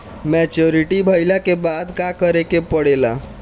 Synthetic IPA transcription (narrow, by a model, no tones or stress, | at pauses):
mɛt͡ʃoɾiʈibʱəjlakebad̪kakəɾekepəɽela̰